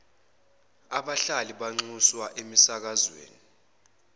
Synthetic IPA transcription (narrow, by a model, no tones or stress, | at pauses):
aɓaɬaliɓaŋ͡ǀuswaʔemisak̬azwḛːni